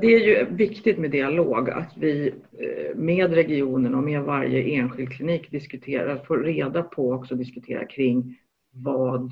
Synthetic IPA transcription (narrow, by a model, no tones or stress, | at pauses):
d̪ɛæɾjɵvɪkt̪ɪt̪mɛd̪ɪaloːɡa̰t̪vɪ | meːd̪ɾɛɡɪuːnənɔmeːd̪vaɾjə̰ʔeːnɧɪld̪̚kʰlɪniːkd̪ɪskɵt̪ʰeːɾafoːɾeːd̪apʰɔɔksɔd̪ɪskɵt̪ʰḛːɾa̰kʰɾɪŋː | vɑːd̪